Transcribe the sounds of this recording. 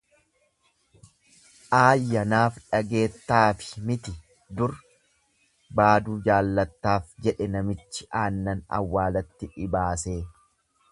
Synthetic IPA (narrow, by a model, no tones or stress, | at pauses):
ʔaːjːɐnaːfᶑɐɡe̞ːt̪ːaːfɪ̥mɪt̪ɪ | d̪ʊɾ | baːd̪uːd͡ʒaːlːɐt̪ːaːfd͡ʒɛᶑɛnɐmɪt͡ʃːɪʔaːnːɐnɐ̰wːaːlɐt̪ːɪᶑɪbaːse̞ː